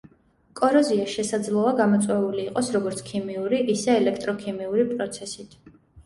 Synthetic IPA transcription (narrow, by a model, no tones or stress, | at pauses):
kʼɔɾɔziaʃɛsad̪zlˠɔaɡamɔt̪sʼwɛuliːqʼɔsɾɔɡɔɾt̪sʰkʰimiuɾiʔisɛːlɛkʰt̪ʼɾɔkʰimiuɾipʼɾɔt̪sʰɛsit̪ʰ